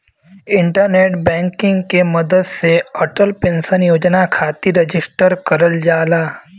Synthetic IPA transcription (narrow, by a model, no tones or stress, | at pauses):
ɪ̃ɳʈəɾneːʈbɛ̃ːŋkɪ̃ŋɡkemɐd̪əd̪seəʈəlpẽːnsənjoːd͡ʒnakʰaːt̪iɾɐd͡ʒɪsʈəɾkɐɾəld͡ʒaːlaː